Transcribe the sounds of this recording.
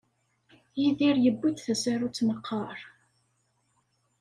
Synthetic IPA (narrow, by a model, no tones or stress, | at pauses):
jiðiɾjəbːud̪θæsaɾut͡sːməqʰːɑɾˤ